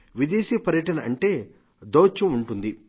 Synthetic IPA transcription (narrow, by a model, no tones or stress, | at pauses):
ʋid̪eːʃiːpɐɾjɐʈɐnɐʔɐɳʈe̞ː | d̪oːt͡ʃːɐmuɳʈund̪i